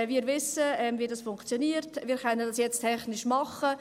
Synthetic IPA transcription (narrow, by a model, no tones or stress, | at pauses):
viːɾvɪsəɛmvidɑsfʊŋkt͡sjɔniːəɾtviːɾχœnəndɑsjɛt͡stʰɛχnɪʃmɑχə